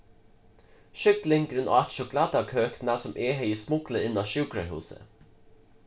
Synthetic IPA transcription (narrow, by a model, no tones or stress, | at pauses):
ʃʏklɪŋɡɾʉnʔo̰ːɑt̪ʃʊklɑːd̪ɑkʰøːknæːsɔmʔeːhœʏəsmʊkləɪnɑːʃʉːkɾəhʉ̰ːsə̰